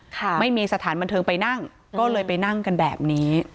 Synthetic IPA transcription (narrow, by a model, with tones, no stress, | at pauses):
kʰa˧˩ma˥˩jmiː˧sa˧t̪ʰaː˩˦nba˧nt̪ʰɤː˧ŋpa˧jna˥˩ŋ | kɔː˥˩lɤː˧jpa˧jna˥˩ŋka˧nbɛː˨˩p̚niː˦˥